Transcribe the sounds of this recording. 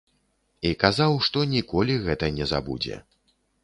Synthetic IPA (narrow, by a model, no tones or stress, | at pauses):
ikazawʂt̪ɔnʲikɔlʲiɣɛt̪ɐnʲɛza̰bṵd͡zʲɛ̰